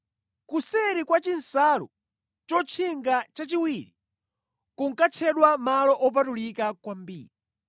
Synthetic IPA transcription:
kusɛɾikwat͡ʃin̩salṵ | t͡ʃɔt͡ʃʰiŋɡat͡ʃat͡ʃiwiɾi | kuŋkat͡ʃʰɛɗwamalɔʔɔp̬atulikakwambḭːɾi

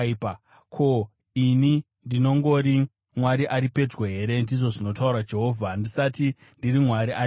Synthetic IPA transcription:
pa | kʰo̞ | ini | ndino̞ŋɡo̞ɾi | mwaɾiʔaɾipe̞d͡zwoɦe̞ɾe̞ndiʐo̞ʐino̞tauɾad͡ʒe̞ɦo̞vʱandisati | ndirimwaɾiʔa

